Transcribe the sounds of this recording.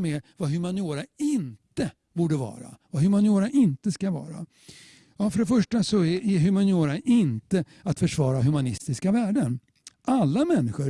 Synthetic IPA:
mɛvaɦɵmanɪoːɾaɪnt̪ə | buːɖəvɑ̰ːɾa̰vaɦɵmanɪoːɾaʔɪnt̪əskavɑ̰ːɾa̰ | ɑfœɖɛfœʂʈasɔɛʔɛɦɵmanɪoːɾaɪnt̪ə | at̪fœʂvɑːɾaɦɵmanɪst̪ɪskavæːɖən | ʔalːamɛnːɪɧə

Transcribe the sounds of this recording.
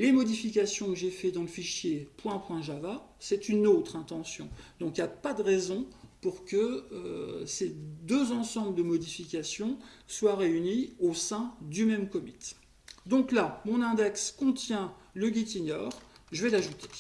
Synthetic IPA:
lemɔd̪ifik̬ʲasjɔ̃kəʒefɛd̪ɑ̃ləfiʃjepwɛ̃pwɛ̃ʒava | sɛt̪ynot̪χɛ̃t̪ɑ̃sjɔ̃d̪̥ɔ̃kiljapad̪əʁezɔ̃puʁkəøsed̪øzɑ̃sɑ̃bləd̪əmɔd̪ifikʲasjɔ̃swaʁeyniosɛ̃d̪ymɛmkɔmit̪ | d̪ɔ̃klamɔ̃nɛ̃d̪ɛkskɔ̃t̪jɛ̃ləɡʲit̪inɔːʁʒəvɛlaʒut̪e̥

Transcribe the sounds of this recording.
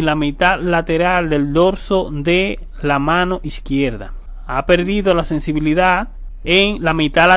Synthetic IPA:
nlamit̪alat̪e̞ɾald̪e̞ld̪o̞ɾsoðe | lamãno̞ʔiskjeɾða̰ | ape̞ɾðiðo̞lase̞nsiβiliða | eŋlamit̪a

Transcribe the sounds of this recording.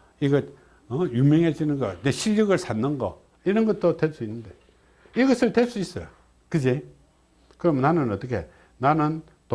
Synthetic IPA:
iɡʌt̚ | ʌjumjʌŋɦed͡ʑinɯnɡʌneɕʰiljʌɡɯɭsʰanːɯnɡʌ̰ | iɾʌnɡʌt̚t͈otes͈uinːɯnde̞ | iɡʌsʰɯɭtes͈uis͈ʌjo | kɯd͡ʑe | kɯɾʌmnanɯnʌt͈ʌkʰe̞̰ | nanɯn | to

